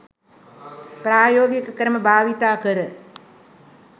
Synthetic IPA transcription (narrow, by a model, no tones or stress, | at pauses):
pɾaːjoːɡjəkəkəɾəməbʱaːʋit̪aːkəɾə